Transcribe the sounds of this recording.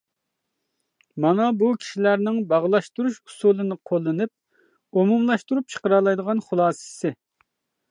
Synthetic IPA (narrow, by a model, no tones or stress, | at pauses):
mɑnɑbukʲʰi̥ʃilæɾnɪŋbɑʁlˠɑʃt̪uɾuʃu̥sulˠɨnɨqʰolˠːɨnɨp̚ | omumlˠɑʃt̪uɾup̚t͡ʃʰə̥qəɾɑlˠɑjd̪əʁɑnχʊlˠɑːsɨ̥sɪ